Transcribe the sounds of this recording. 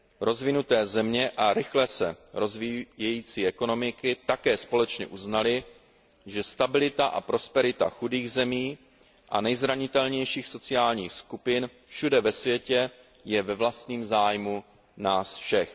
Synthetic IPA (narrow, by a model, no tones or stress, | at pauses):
ɾo̞zvɪnut̪ɛːzɛmɲɛʔaɾɪxlɛsɛɾo̞zvijɛjiːt͡siːʔɛko̞no̞mɪkɪt̪akɛːspo̞lɛt͡ʃɲɛ̰ʔuznalɪ | ʒɛst̪abɪlɪt̪aʔa̰pɾo̞spɛɾɪt̪a̰xudiːɣzɛmiː | ʔa̰nɛjzɾaɲɪt̪ɛlɲɛjʃiːxso̞t͡sɪaːlɲiːxskupɪn | fʃudɛvɛsvjɛcɛ | jɛvɛvlast̪ɲiːmzaːjmu | naːsfʃɛx